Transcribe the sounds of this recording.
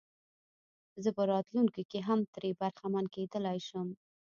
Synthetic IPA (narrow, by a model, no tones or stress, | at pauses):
zəpəɾɑt̪luŋkokeɦamt̪ɾebaɾxamanked̪əlajʃəm